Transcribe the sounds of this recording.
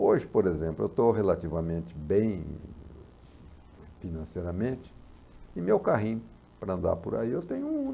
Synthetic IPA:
oʒɪpoɾezẽmplʊḛwt̪oɦelat̪ivɐmẽnt͡ʃɪ̥bẽj̃ | finɐ̃sejɾɐmẽt͡ʃɪ̥ | ɪmewkaɦĩɲ | pɾɐɐ̃nd̪a̰ɾpʊɾa̰iewt̪ẽjɲʊ

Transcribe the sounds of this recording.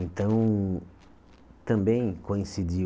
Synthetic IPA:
ẽnt̪ɐ̃w̃ | t̪ɐ̃mbẽj̃kõĩsid͡ʒi

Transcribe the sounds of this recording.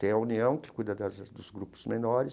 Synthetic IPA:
t̪ẽj̃ɐuniɐ̃w̃kɪ̥kujd̪ɐd̪ɐzd̪ʊzɡɾupʊ̥z̥menɔɾɪs

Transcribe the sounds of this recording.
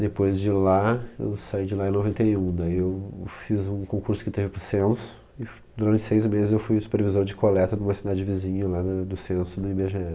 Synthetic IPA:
d̪epojzd͡ʒɪlaḛwsaid͡ʒɪlaẽnovẽnt̪ɐiũd̪aiewfizũkõŋkuɾsʊ̥kɪt̪evɪpɾʊsẽsʊ̥ | ɪ | d̪uɾɐ̃nt͡ʃɪ̥sejzmezɪzewfujsu̥peɾvizoɾd͡ʒɪkolɛt̪ɐd̪ũmɐsid̪ad͡ʒɪvizĩɲɐlad̪ɐd̪ʊsẽnsʊd̪ɐibeʒeɛ

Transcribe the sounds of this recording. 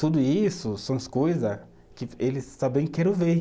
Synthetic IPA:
t̪ud̪ʊisʊsɐ̃w̃ɐskojzɐ | kɪelɪst̪abẽj̃kɛɾɐ̃ve

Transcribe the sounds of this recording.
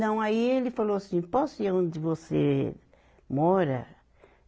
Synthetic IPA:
ɐ̃w̃aielɪfaloasĩpɔsʊɛõd̪ɪvosḛ | mɔɾɐ̰

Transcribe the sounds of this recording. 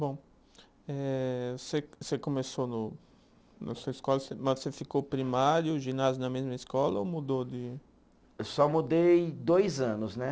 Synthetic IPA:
bõ | ɛsesekõmesonʊ | nɐ̰suɐiskɔlɐsemɐssefikowpɾimaɾjʊʒinazjʊnɐmezmɐiskɔlɐomud̪od̪ɪ | ewsɔmud̪ejd̪ojzɐ̃nʊznɛ

